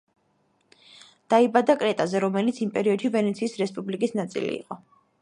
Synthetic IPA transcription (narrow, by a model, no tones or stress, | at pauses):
d̪̥aibad̪akʼɾɛt̪ʼazɛɾɔmɛlit̪sʰimpʼɛɾiɔd̪ʃivɛnɛt̪sʰiːsɾɛspʼublikʼisnat̪sʼḭlḭːqʼɔ